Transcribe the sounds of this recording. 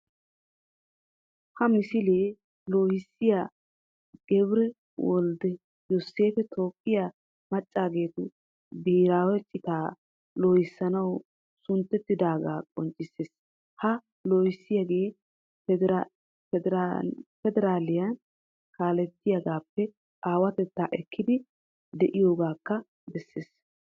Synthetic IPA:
hɐmɪsɪleː | loːjɪsːɪjaː | ɡ̥ɛbɪɾɛ | wɔ̰ld̪ɛ | jose̞ːfɛt̪ʰo̞ːkʼːɪja | mɐt͡ʃʼːaːɡe̞ːt̪ʊ | b̪iːɾaːwɛt͡ʃʼːɪt̪aː | loːjɪsːɐnɐw | sʊnt̪ːɛt̪ːɪd̪aːɡaːkʼɔ̰nt͡ʃʼːɪsːeːs | hɐ | loːjɪsːɪjaɡe̞ː | ɛɾfɛd̪ɛɾaːlɪjɐn | kaːlɛt̪ːɪjɐɡaːpːɛ | aːwɐt̪ɛt̪ːaːʔɛkʰːɪd̪ɪ | d̪ɛʔɪjo̞ːɡaːkːɐ | bɛsːeːs

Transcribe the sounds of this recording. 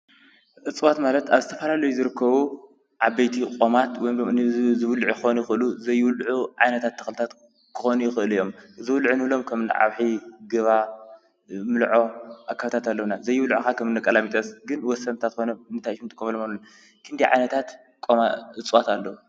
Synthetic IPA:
ʔɨt͡sʼwat̪malɐt̪aβzɨt̪ʰɐfɐlalɐjuzɨɾɨkːɐβu | ʕabejt̪ʰikʼomat̪wɔjmlomɨnizɨβlʕujxonujɪxɨʔɨluzɐjːɨwlʕuʕajnɐt̪ʰat̪ʰːɐ̥xlɨt̪ʰat̪ | kʰɨxonujɪxɨʔɨlijːo̞mzɨwlʕunɨβɨlo̞mkʰɐmɨnɨ̰ʕa̰βħiɡɨβa | mɨlʕo̞ʔakʰːaβt̪ʰat̪ʰalːɐwnazɐjːɪwlʕukakʰɐmɨnːɐkʼːɐlamit̪ʼɐsɡɨnwɔsɐnt̪ʰat̪xonɐɨnt̪ʰajʃumt̪ʼɨkʼːomɐloman | kʰɨnd̪iʕa̰jnɐt̪ʰat̪ | kʼomaʔɨt͡sʼwat̪ʰalːɐwu

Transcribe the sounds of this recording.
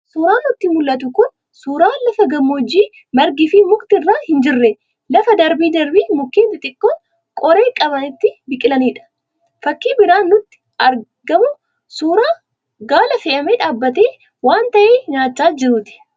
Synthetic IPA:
suːɾaːnːʊt̪ːɪmʊlːɐt̪̬ʊkʊn | suːɾaːlɐfɐɡɐmːoːd͡ʒːiː | mɐɾɡɪfimʊkʼt̪ɪrːaːhɪnd͡ʒɪrːɛ | lɐfɐd̪ɐɾbiːd̪ɐɾbiːmʊkːeːb̪ɪt̪ʼɪkːoː | kʼɔɾe̞ːkʼɐbɐnɪt̪ːɪbɪkʼɪlɐniːᶑɐ̥ | fɐkːiːbɪɾaːnːʊt̪ːɪ̥ | ɐɾ | ɡɐmʊ | suːɾaː | ɡaːlɐfɛʔɐmeːᶑaːbːɐt̪̬eː | waːnt̪ɐʔeːɲaːt͡ʃːaːd͡ʒɪɾuːt̪ɪ̥

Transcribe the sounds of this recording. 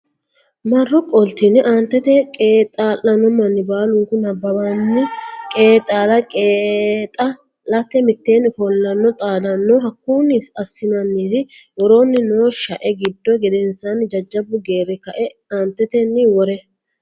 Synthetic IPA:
mɐrːɔkʼɔlt̪inɪʔaːnt̪ːɛt̪ɛkʼeːt̪ʼaːlːɐnɔmːɐnːɪbaːlʊŋkʊnɐbːɐbanːɪkʼe̞ːt̪ʼaːlɐkʼeːt̪ʼɐ | lɐt̪ːɛmɪt̪ːeːnːfɔlːɐnːɔt̪ʼaːd̪ɐnːɔɦɐkːuːnːisɐsːɪnɐnːiːd̪ɪjɔɾo̞ːnːɪnoːʃɐʔɛɡɪd̪ːɔɡɛd̪ɛnsɐnd͡ʒɐd͡ʒːɐbʊɡe̞ːɾɛkɐʔɛaːnt̪ːɛt̪ɛnːɪwɔɾɛ

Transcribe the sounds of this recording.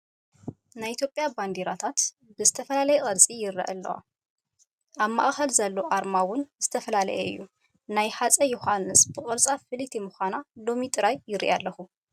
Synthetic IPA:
najʔit̪ʰjo̞pʼːjaband̪eɾat̪ʰat̪ | bɨzɨt̪ʰɐfɐlalɐjɛqʼɐɾt͡sʼijɪɾːɐ̰ʔɐ̰lːɐ̰wa̰ | ʔaβma̰ʔʼxɐlzɐlːoʔaɾmawʊnz̥ɨt̪ʰɐfɐlalɐ̰jɛɨ̰jːu | najħat͡sʼɐjuhanːɨsbɨkʼɨɾt͡sʼafɨlit̪ʰimɨxʷanalo̞mit̪ʼɨɾajːɪɾḭʔalːɐxu

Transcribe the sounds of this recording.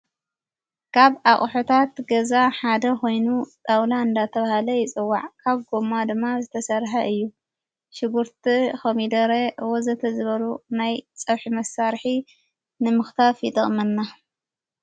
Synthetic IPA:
kʰaβaχʼħot̪ʰat̪ɡɐzaħad̪ɐko̞jnut̪ʼawlaɨnd̪at̪ʰɐβahalɐjɪt͡sʼɨwːaʕkʰaβɡo̞mad̪ɨmːazɨt̪ʰɐsɐɾħɐʔɨjːu | ʃɪɡuɾt̪ʰixɐmid̪ɐɾeʔwozɐt̪ʰɐzɨβɐlunajt͡sʼɐβħimɐsaɾħi | nɨmɨxt̪ʰafjɪt̪ʼɐχʼmɐnːa

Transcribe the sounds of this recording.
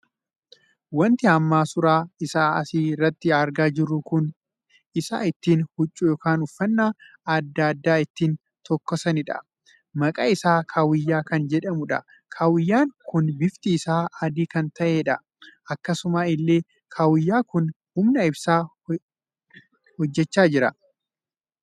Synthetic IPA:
wɐnt̪ɪɐmːaːsʊɾaːɪsaːɐ̰siːrːɐt̪ːɪɐɾɡaːd͡ʒɪɾːʊkʊn | ɪsa̰ːɪt̪ːiːnhʊt͡ʃʼːuːjoːkaːnʊfːɐnːaː | ɐd̪ːɐːd̪ːaːɪt̪ːiːn | t̪ɔkːɔsɐnɪᶑɐ̰ | mɐkʼaɪsaːkʰaːwɪjːaːkɐnd͡ʒɛᶑɐmʊᶑɐ̰ | kʰaːwɪjːaːŋkʊnbɪft̪iːsaːʔɐd̪iːkɐnt̪ɐʔeːᶑɐ | ʔɐkːɐsʊmaːɪlːe̞ː | kʰaːwɪjːaːkʊn | hʊmnɐɪbsaː | hɔd͡ʒːɛt͡ʃːaːd͡ʒɪɾɐ

